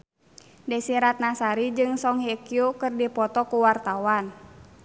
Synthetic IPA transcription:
dɛsiɾat̪̚nasaɾid͡ʒɨŋsɔŋhekiukɨrdipɔt̪ɔkuwart̪awan

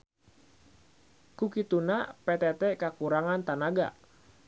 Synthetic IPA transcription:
kukit̪unapet̪ɛt̪ɛkakuɾaŋant̪anaɡa̰ʔ

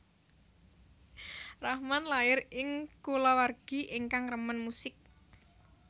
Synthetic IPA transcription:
rahmanlaɪrɪŋkulawarɡ̥i̤ʔiŋkaŋrəmənmusɪk̚

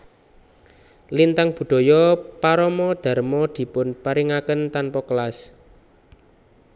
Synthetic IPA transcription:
lint̪aŋb̥ṳɖ̪̥ɔ̤jɔpaɾɔmɔd̪̥a̤rmɔd̪̥i̤pʊnpaɾiŋakənt̪anpɔkəlas

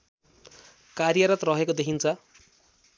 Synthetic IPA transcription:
karjʌɾʌt̪rʌɦekod̪ekʰint͡sʰʌ

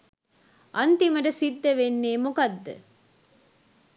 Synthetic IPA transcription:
ʔɐnt̪imɐɾɐsid̪ːɐʋenːeːmukɐd̪ːɨ̰

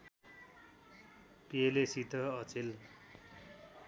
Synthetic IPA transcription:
pielesit̪ʌʌt͡sel

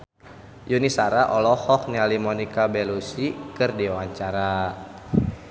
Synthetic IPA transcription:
junisaɾaʔɔlɔhɔk̚nialimɔnikabɛlusikɨrdiwaɲt͡ʃaɾa

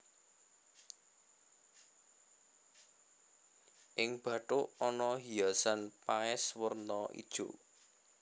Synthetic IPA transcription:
ʔɪŋb̥ä̤ʈoɔnɔɦijasanpaɪswərnɔʔḭd̥ʒ̥o̰

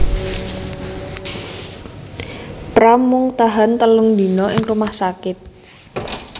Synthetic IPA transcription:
pɾamːʊŋt̪aɦant̪əlʊŋd̪i̤nɔʔɪŋrumahsakɪt̪̚

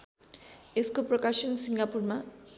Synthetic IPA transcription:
eskoprʌkaʃʌnsiŋɡapurma

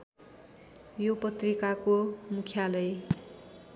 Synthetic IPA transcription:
jopʌt̪rikakomukʰjalʌj

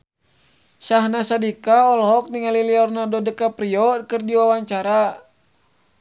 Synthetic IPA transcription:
saɦnasadikaɔlɔɦɔk̚niŋaliliɔrnadɔdəkapɾiɔkɨrdiwawaɲt͡ʃaɾa

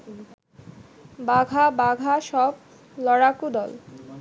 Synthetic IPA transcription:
baɡʱabaɡʱaʃɔb̚ | lɔɽakud̪ɔl

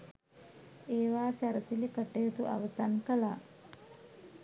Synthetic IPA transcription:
eːʋaːsæɾəsilikəʈejət̪uʔa̰ʋəsankəla̰ː

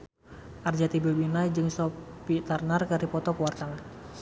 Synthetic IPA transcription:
ʔard͡ʒat̪ibilbinajd͡ʒɨŋsɔpit̪arnarkaɾipɔt̪ɔkuwart̪aŋ

